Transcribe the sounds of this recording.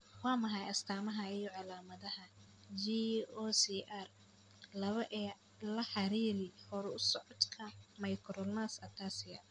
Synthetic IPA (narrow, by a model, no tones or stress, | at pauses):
wɑːmɐɦɐjɐst̪ʰaːmɐɦɐɪjɔʕɑlaːmɐðɐhɐ | d͡ʒiɔsiʔar | lɐβɐʔɛː | lɐħɑɾiːɾɪhɔɾɛʊsɔʕɔd̪kʰɐmɐjkʰɾɔlnasɐt̪ʰaːsɪjɐ